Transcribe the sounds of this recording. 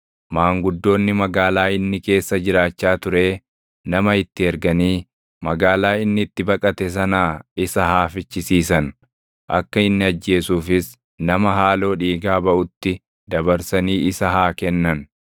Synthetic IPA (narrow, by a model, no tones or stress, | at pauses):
maːŋɡʊd̪ːo̞ːnːɪmɐɡaːlaːɪnːɪke̞ːsːɐd͡ʒɪɾaːt͡ʃːaːt̪ʊɾe̞ː | nɐmɐɪt̪ːɪɛɾɡɐniː | mɐɡaːlaːɪnːɪːt̪ːɪbɐkʼɐt̪ɛs̬ɐnaːɪsɐhaːfɪt͡ʃːɪsiːsɐn | ʔɐ̰kːɐɪnːɪɐd͡ʒːe̞ːsuːfɪs | nɐmɐɦaːlo̞ːᶑiːɡaːbɐʔʊt̪ːɪ | d̪ɐbɐɾsɐniːʔɪsɐɦaːkɛnːɐn